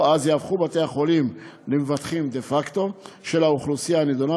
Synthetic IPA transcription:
azjaːvχubat̪e̞aχo̞limlemevat̪χimd̪efakt̪o̞ | ʃe̞lauχlusijaned̪ona

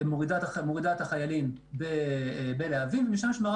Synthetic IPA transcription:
moʁid̪atmoʁid̪at̪haχajalim | bebeleavimvemiʃamʃmaʁ

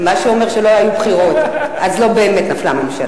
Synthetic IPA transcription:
maʃeome̞ʁʃelo̞ajubχiʁo̞t̪azlo̞be̞ːmet̪naflamemʃa

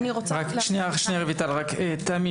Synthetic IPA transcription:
niot͡sʁakʃniaʃnejaʁevit̪alʁaket̪ami

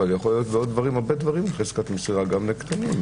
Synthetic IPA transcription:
aljaχo̞lijo̞t̪beod̪̚ːvaʁimaʁbed̪vaʁimleχeskat̪mesiʁaɡamlekt̪anim

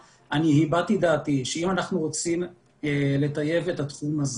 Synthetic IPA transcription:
aniɦibat̪id̪aːt̪iʃeimanaχnuʁot͡sim | ele̞t̪aje̞ve̞tat̪χumaz

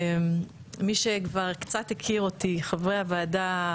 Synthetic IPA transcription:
miʃekvaʁkt͡sathekʰiʁotiχavʁehavaːda

